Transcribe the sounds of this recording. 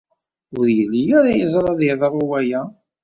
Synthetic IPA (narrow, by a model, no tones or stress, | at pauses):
ʊɾjəlːijaɾajəzˤɾˤɑðiðɑɾˤʊwæjæ